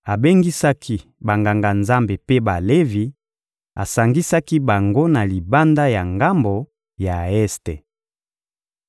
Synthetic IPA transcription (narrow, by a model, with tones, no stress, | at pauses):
a˨be˦ŋɡi˦sa˦kʰi˦ba˨ŋɡa˨ŋɡa˨nza˦mbe˨pe˦ba˨le˦vi˨ | a̰˨sa˨ŋɡi˦sa˦ki˦ba˨ŋɡo˦na˨li˨ba˦nda˦ja˨ŋɡa˦mbo˨ | ja˨ɛ˦stḛ˨